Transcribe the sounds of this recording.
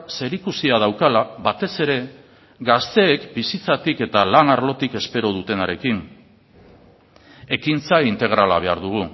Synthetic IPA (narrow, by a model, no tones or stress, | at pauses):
se̞ɾikusiað̞awkalaβat̪e̞se̞ɾe̞ | ɡast̪e̞ːkbisit͡sat̪ike̞t̪alanaɾlo̞t̪ike̞spe̞ɾo̞ð̞ut̪e̞naɾe̞kin | e̞kint͡saint̪e̞ɣ̞ɾala̰β̞e̞aɾðuɣ̞u